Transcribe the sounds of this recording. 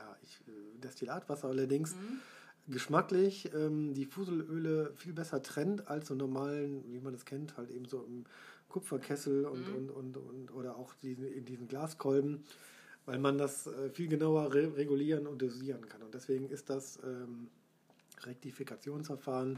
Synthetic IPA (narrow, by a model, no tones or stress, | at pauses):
jaːʔɪçɛdɛstilaːtv̥asɐʔalɐdɪŋs | ɡəʃmaklɪçʔɛːmdiːfuːzl̩ʔøːləfiːlbɛsɐtʁ̥ɛntalsz̥oːnɔɐmaːlənviːmandaskʰɛnthaltʔeːbm̩zoːɪm | kʰʊpp͡fɐkʰɛsl̩ʊntʊntʊntʊ̰nʔoːɾɐaʊxd̥iːznɪndiːzn̩ɡlaːskʰɔlbm̩ | vaɪlmandasʔɛːfiːlɡənaʊɐʁeʁeɡuliːʁənʊnt̚d̥uziːʁənkʰanʊntd̥ɛsv̥eːɡŋ̩ɪstd̥asʔɛːm | ʁɛk̚tifikat͡sjoːnsfɛɐfaːʁən